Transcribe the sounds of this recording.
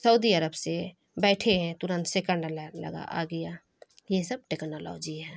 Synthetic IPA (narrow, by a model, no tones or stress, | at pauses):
səud̪iəɾəbse | bɛːʈʰeɦɛ̃t̪ʊɾə̃nt̪sekə̃ɳɖllə̰ɡa̰ʔa̰ɡəja | jesəb̚ʈeːknoːlɔ̰ːd͡ʒiɦɛː